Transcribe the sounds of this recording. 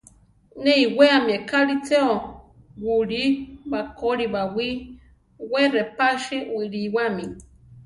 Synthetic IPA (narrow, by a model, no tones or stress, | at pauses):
neiweamiekaɾit͡seo | wuɾibakoɾiβawi | werepaʃiwiɾiwami